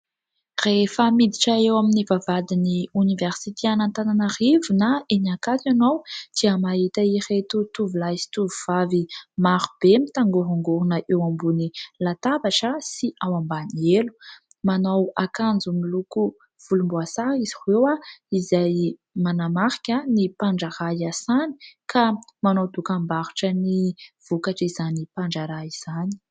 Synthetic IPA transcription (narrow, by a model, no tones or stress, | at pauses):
refəmid̪iʈ͡ʂaewaminivavad̪iniunivɛrsit̪ʰeanant̪ananarivunaenakat̪anowd̪̥iəmaɦit̪airet̪ut̪uvulajsi̥t̪uvuv̥avimaɾub̥emit̪aŋɡuɦaŋɡuɾunəʔewambunilat̪abaʈ͡ʂəsiʔawambanielu̥ | manowakand͡zumiluku | v̥ulumbuasaɾiz̥ihwewaizaj | manamaɾi̥kʲanipaɳɖ͡ʐaɾajasani̥kʰamanowd̪ukambaɾuʈ͡ʂəniv̥ukaʈ͡ʂizanipaɳɖ͡ʐaɾaiz̥ani̥